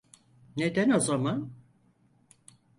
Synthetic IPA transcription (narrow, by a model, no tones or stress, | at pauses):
ne̞d̪æno̞zaman